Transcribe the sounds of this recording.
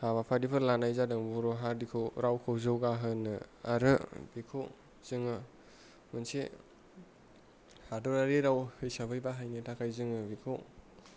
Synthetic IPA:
haβapʰadipʰɯɾlanajzadɯŋbuɾoɦadikʰɯwɾʔawkʰɯwzɯwɡaɦɯnɯaɾɯbikʰow | z̥ɯŋɯ | mɯnse | hadɔɾaɾiɾawhɯjsabʰɯjbaɦajnitʰakʰajzɯŋɯbikʰɯw

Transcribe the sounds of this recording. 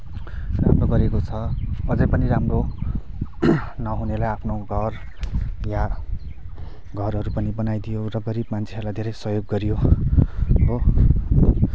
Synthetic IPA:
ramroɡʌɾekot͡sʰʌʌd͡zʌjpʌniramro | nʌɦunelajapʰnoɡʱʌr | ja | ɡʱʌrɦʌɾupʌnibʌnajd̪ijorʌɡʌɾibmant͡sʰeʌrlajd̪ʱeɾʌjsʌjoɡːʌɾijo | bo

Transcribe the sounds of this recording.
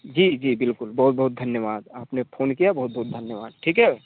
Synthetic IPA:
d͡ʒiːd͡ʒiːbɪlkʊlbɔːt̪̚bɔɦʊt̪̚d̪ʱɐnjəʋaːd̪aːpnefʰoːnkijabɔɦʊt̪̚bɔːt̪̚d̪ʱɐnjəʋa̰ːd̪̚ʈʰiːkɦɛː

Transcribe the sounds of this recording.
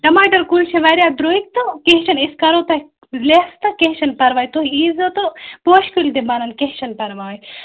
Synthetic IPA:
ɖɐmaːʈɐɾkult͡ʃʰeʋɐɾʲjaːd̪ɾoːik̚t̪okeɦt͡ʃɐniskɐɾot̪ɐ | lest̪ɐkeɦʃɐnpɐɾʋaːjt̪oɦiiːzɐt̪opoːʃkuld̪ibanɐnkeɦt͡ʃɐnpɐɾʋaːi

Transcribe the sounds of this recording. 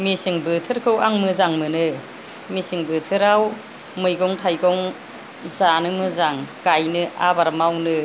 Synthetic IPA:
misɯŋbɯtʰɯɾkʰɯwaŋmɯzaŋmɯnɯ | misɯŋbɯtʰɯɾaw | mɯjɡɔŋtʰajɡɔŋ | zanɯmɯzaŋkajnɯʔa̰baɾmawnɯ

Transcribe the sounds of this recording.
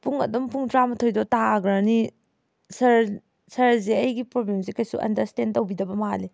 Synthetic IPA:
puŋɐ̰dɐmpuŋtɾamɐtʰojdɔtaɡɾɐni | sɐɾ | sɐɾzeɐjɡipɾoblemsikɐjsṵʔɐ̰ndɐɾstendtɐwbidɐbɐmali

